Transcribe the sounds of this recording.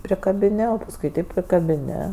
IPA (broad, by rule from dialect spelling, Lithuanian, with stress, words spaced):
pʲrʲɪkɐbʲɪˈnʲɪ oː pɐsˈkʊɪ tɐɪp pʲrʲɪkɐbʲɪˈnʲɪ